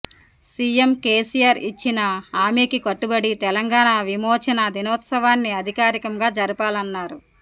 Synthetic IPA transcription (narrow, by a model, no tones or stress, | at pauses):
siemkeːsijaːɾit͡ʃːinɐaːmeːkikɐʈːubɐɽit̪ɛlɐŋɡaːɳaʋimɔːt͡ʃɐnɐd̪inɔːt̪sɐʋaːnːiɐd̪ʱikaːɾikɐmɡaːd͡ʒɐɾipaːlɐnːaːɾu